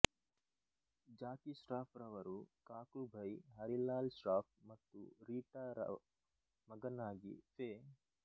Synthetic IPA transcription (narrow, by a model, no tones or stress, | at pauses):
d͡ʒaːkiʃɾaːpɾɐʋɐɾukaːkubʱɐjɦɐɾilaːlʃɾaːp̚mɐt̪ːṵɾiːʈaːɾɐ̰ | mɐɡɐnaːɡḭfʰeː